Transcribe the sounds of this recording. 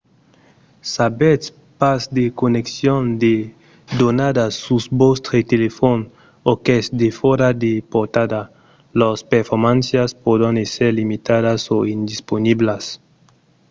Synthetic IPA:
sabet̪ | pasd̪ekoneksjond̪e | d̪onad̪asusbost̪ɾet̪elefon | okesd̪efoɾad̪epoɾt̪ad̪a | lospeɾfoɾmãnsjaspod̪ãneseɾlimit̪adasoind̪isponiblas

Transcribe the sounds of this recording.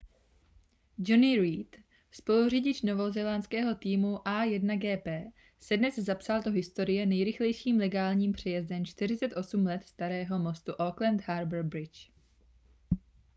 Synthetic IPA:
d͡ʒonɪɾiːt̪ | spo̞luriɟɪt͡ʃno̞vo̞zɛlant͡skɛːɦo̞t̪iːmuʔajɛdnaɡɛːpɛː | sɛdnɛzzapsaldo̞ɦɪst̪o̞ɾɪjɛnɛjɾɪxlɛjʃiːmlɛɡaːlɲiːmpr̥ɛjɛzdɛnt͡ʃt̪ɪr̝ɪt͡sɛt̪ʔo̞sumlɛt̪st̪aɾɛːɦo̞mo̞st̪uʔoklɛnt̪ɦaɾbɛɾbɾɪt͡ʃ

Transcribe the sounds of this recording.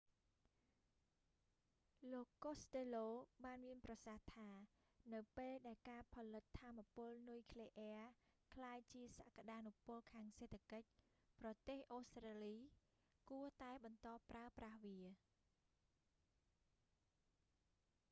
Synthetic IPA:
loːkːoːst̪eːloːɓaːnmiənprɑsaht̪ʰaː | nɨwpeːlɗaɛlkaːpʰɑlɨt̪ʰːaːmːapʊ̆əlnujkʰleʔɛəkʰlaːjt͡ɕiəsaʔkaɗaːnupʊ̆əlkʰaːŋseːt̪ʰːakəc̚ | prɑt̪eːhʔoːst̪raːliː | kuət̪aɛɓɑnt̪ɑːpraəprahʋiə

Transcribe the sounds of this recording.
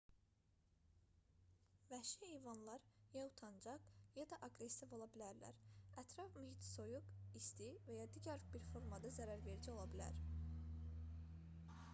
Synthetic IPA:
væʃiijvɑnlˠɑɾjɑut̪ʰɑnd͡ʒɑqjɑd̪ɑʔɑɡɾe̞sivo̞lˠɑbilæɾlæ̰ɾæt̪ʰɾɑfmyhit̪so̞juɡist̪ivæjɑd̪iːɟæɾbiɾfo̞ɾmɑd̪ɑzæɾæɾve̞ɾd͡ʒio̞lˠɑbilæ̰ɾ

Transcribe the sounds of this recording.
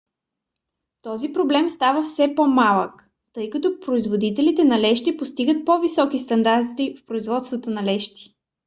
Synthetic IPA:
t̪ɔzipɾoblɛmst̪avəfsɛpomalˠək | t̪ɤjkɐt̪ɔpɾoizvod̪it̪ɛlit̪ɛnɐlɛʃt̪ipost̪iɡət̪̚pɔvisɔkist̪ɐnd̪aɾt̪ifpɾoizvɔt̪st̪vot̪onɐlɛʃt̪i̥

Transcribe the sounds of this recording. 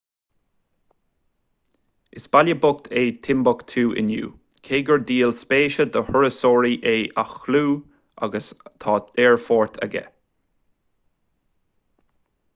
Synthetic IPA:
ɪsbaljəbʊk̚t̪ʰeːt̪ʰɪmbʊkt̪ʰuːʔɪ̰njṵː | kʰeːɡəɹd̪iːlspeːʃəd̪əhɔɹəsoːɹiʔeːʔaxluː | ʔa̰ɡəst̪ʰɑːd̪ɛːɹfɔːɹt̪ʰə̰ɡɛ̰

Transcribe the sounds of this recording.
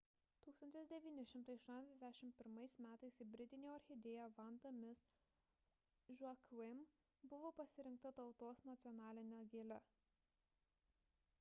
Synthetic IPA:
t̪uːkst̪ɐnt̪ʲɪsd̪ʲɛʋʲiːnʲɪʃʲɪmt̪ɐɪɐʃt̪uɔnʲɛzʲɛzʲd̪ʲæʃʲɪmʲpʲɪɾmɐɪsmʲæːt̪ɐɪsɪbʲɾʲɪt̪ʲɪnʲoːɐɾʲxʲɪd̪ʲeːjoːʋɐnd̪omʲɪs | ʒɐkwɪm | bʊʋoːpɐsʲɪɾʲɪŋk̚t̪ɐt̪ɒʊt̪oːsnɐt̪sʲɪɔnɑːlʲɪnʲoːɡʲeːlʲɛ

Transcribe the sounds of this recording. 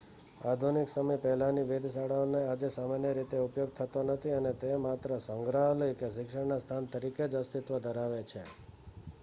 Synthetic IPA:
ad̪ʱuniksəməjpɛɦlaniʋed̪ʱsaɽaonead͡ʒesamanjəɾit̪eupjoɡ̚t̪ʰət̪onət̪ʰiənet̪emat̪ɾəsəŋɡɾaɦləjkeʃ̬ɪkʂəɽnast̪ʰant̪əɾiked͡ʒəst̪it̪ʋəd̪ʱəɾaʋet͡ʃʰe

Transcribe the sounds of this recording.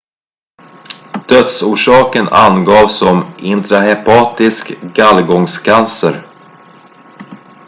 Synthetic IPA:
d̪̥œt̪suːʂɑːkəna̰nɡɑːvsɔmɪnt̪ɾahɛpʰɑːt̪ɪskɡalɡɔŋskʰansəɾ

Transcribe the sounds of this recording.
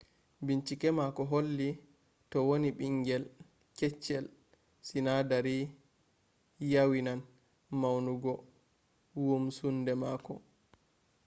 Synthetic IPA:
biɲt͡ʃikɛmakɔɦolːi | tɔwoniɓiŋɡɛl | kɛt͡ʃːɛl | sinadaɾi | jawinan | mawnuɡɔ | wumsundɛmaːkɔ

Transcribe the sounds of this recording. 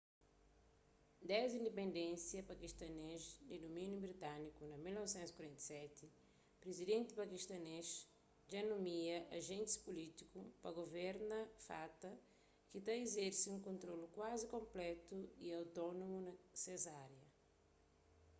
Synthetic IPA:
d̪ɛzĩnd̪epẽnd̪ẽnsjɐpakiʃt̪ɐneʃd̪ɪd̪omĩnjubɾit̪ãnikunɐmilnɔvsẽnt̪zi̥kwaɾẽnt̪ɐ̥sɛt̪ɪ | pɾezid̪ẽnt̪ɪpakiʃt̪ɐneʃ | denumiɐʔaʒẽnt̪spulit̪ikupɐɡovɛɾnɐfat̪ɐ | kit̪aezeɾsɪũŋkõnt̪ɾolukwazikõmplɛt̪uiawt̪ɔnomunɐsezaɾjɐ

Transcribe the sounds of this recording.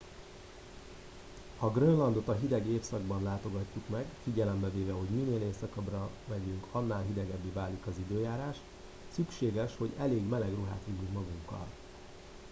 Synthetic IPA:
hɒɡrønlɒnd̪o̞t̪ɒɦid̪ɛɡeːfsɒɡbɒnlaːt̪o̞ɡɒcːukmɛɡfiɟɛlɛmbɛveːvɛɦo̞ɟmineːleːsɒkɒbrɒvɛɟyŋkɒnːaːlɦid̪ɛɡɛbːivaːlikɒzid̪øːjaːɾaːʃt̪ | sykʃeːɡɛʃho̞ɟɛleːɡmɛlɛɡruɦa̰ːt̪ʋiɟyŋkmɒɡuŋkːɒ̰l

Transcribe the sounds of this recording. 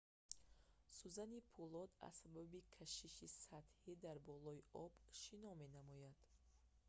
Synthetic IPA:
suzanipʰulɔd̪a̰sababikʰaʃiʃisat̪hid̪aɾbɔlɔiʔɔbʃinɔme̞namɔjad̪̥

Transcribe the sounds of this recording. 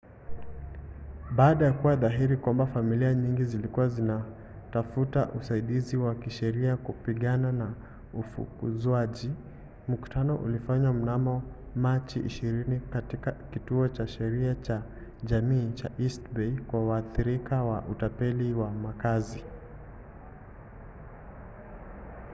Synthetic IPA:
ɓaːɗajakuwaðaɦiɾikwambafamiliaɲiŋɡizilikuwazina | tafuta̰ʔusaiɗiziwakiʃɛɾiakupiɠanana | ufṵkṵzwaʄi | m̩ku̥tanɔʔṵlifaɲwam̩namɔmat͡ʃiʔḭʃiɾinikatikakituɔt͡ʃaʃɛɾiat͡ʃa | ʄamiːt͡ʃa̰ʔistbɛikwawaːθiɾikawa̰ʔutapɛliwamakazi

